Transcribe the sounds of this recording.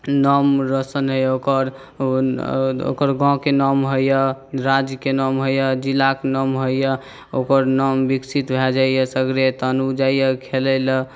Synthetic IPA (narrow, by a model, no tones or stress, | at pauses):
nɔmɾəsənɦəjokəɾ | o̰kəɾɡɔ̃kenɔmɦojjəɾad͡ʒkenɔmɦojəd͡ʒilːakenɔmɦojjə | okəɾnɔmbiksit̪bʱɛd͡ʒaijəsəɡɾet̪ənud͡ʒajjəkʰelələ